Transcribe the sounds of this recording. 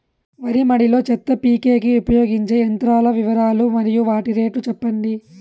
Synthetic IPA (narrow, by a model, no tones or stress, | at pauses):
ʋɐɾimɐɽilo̞ːt͡ʃɛt̪ːɐpiːkeːkiupɐjo̞ːɡiɲt͡ʃe̞ːɐnt̪ɾaːlɐʋiʋɐɾaːlumɐɾijuʋaːʈiɾe̞ːʈut͡ʃɛpːɐɳɖi